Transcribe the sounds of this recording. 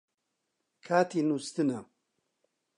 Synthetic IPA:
kʰaːt̪ʰinust̪ɨnɐ

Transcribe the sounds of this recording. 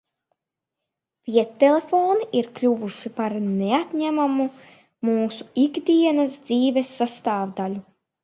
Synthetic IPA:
fʲiɛt̪ːelˠefoːniʔiɾklʲuvuʃipaɾneat̪ʲɲæmamu | muːsu̥iɡd̪iɛnasd̪ziːvesːast̪aːvd̪alʲu

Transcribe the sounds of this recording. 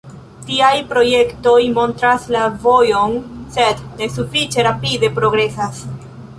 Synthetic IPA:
tiajpɾo̞je̞kto̞jmo̞ntɾaslavo̞jo̞nse̞dne̞sufit͡ʃe̞ɾapide̞pɾo̞ɡɾe̞sas

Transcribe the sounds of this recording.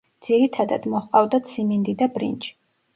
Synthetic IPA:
d̪z̥iɾit̪ʰad̪a̰d̪̥mɔhqʼavd̪at̪sʰimind̪id̪abɾḭnt͡ʃʰi̥

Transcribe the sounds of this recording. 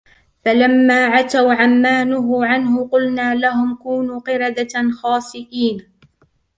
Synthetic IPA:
falamːaːʕat̪awʕamːaːnʊɦʊʕanhʊqʊlnaːlaɦʊmkuːnuːqɪɾɑd̪axɑːsˤɪʔiːn

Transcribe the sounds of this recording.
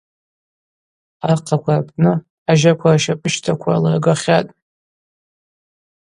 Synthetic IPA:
aqʰakʷʰarpʰnɨ | aʒakʷʰaraʃapʼɨʃtʰakʷʰalaɡaχʲatʼ

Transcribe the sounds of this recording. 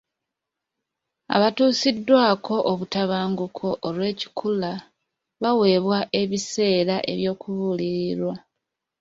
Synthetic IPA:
a̰βatuːsidːwaːkʰo̞ʔoβutaβaːŋɡukʰo̞ʔːlwe̞ːci̥kʰula | βawe̞ːβwaʔe̞βise̞ːɾaʔe̞̰βjo̞ːkuβuliɾiɾwa

